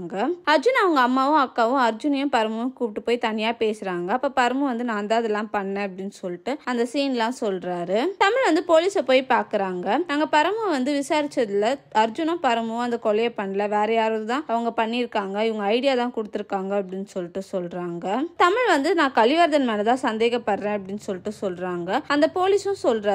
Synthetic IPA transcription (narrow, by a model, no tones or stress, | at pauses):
ŋɡɐɐɾd͡ʒʊnɐʋɐŋɡɐːmːaːʋʊ̃ɐkːaːʋʊ̃ɐɾd͡ʒʊnɐjʊ̃pɐɾɐmɐjʊ̃kuːpɪʈːɯpoːjt̪ɐnːɪjaːpeːsɪɾaːŋɡɐɐpːɐːpɐɾɐmɯ̃ʋɐnd̪ɯnãːɐnd̪aːðɛlːãːpɐɳːẽːɐpːɐɽɪnːɯsɔlːɪʈːɯɐnd̪ɐsiːnlãːsɔlɾaːɾɯt̪ɐmɪɭʋɐnd̪ɯpoːliːsɐpoːjpaːɾkɯɾaːŋɡɐnaːŋɡɐpɐɾɐmɯʋɐnd̪ɯʋɪsaːɾɪt͡ʃːɐðɪlɐɐɾd͡ʒʊnɐ̃pɐɾɐmʊ̃ɐnd̪ɐkɔlɐjɐpɐɳːɐlɐʋeːɾɐjaːɾɐðɯt̪ãːɐʋɐŋɡɐpɐɳːɪɾɯkːaːŋɡɐɪʋɐŋɡɐːɪɽɪjaːt̪ãːkʊɽɯt̪ːɯɾɯkːaːŋɡɐɐpːɐɽɪnːɯsɔlːɪʈːɯsɔlɾaːŋɡɐt̪ɐmɪɭʋɐnd̪ɯnãːkɐɭɪʋaːɾðɐnmaːnɐt̪ãːsɐnd̪eːɣɐpːɐɾɾẽːɐpːɐɽɪnːɯsɔlːɪʈːɯsɔlɾaːŋɡɐɐnd̪ɐpoːlisʊ̃sɔlɾaː